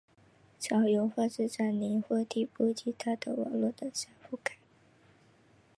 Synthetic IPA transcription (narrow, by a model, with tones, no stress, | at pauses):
t͡ɕʰjɑ˨˩ʊjo˧˥ʊxwa˥˧ʈ͡ʂɻ̩˥˧ʈ͡ʂa˥˩nni˧˥ŋxwɔ˥t̪ʰi˥˩pu˥t͡ɕi˧˥t̪ʰa˥d̪ə˨wɑ̰˨˩ŋlwɔ˥˩d̪ə˩ɕjɑ˧˥˩fu˥˩ka˨˩˦ɪ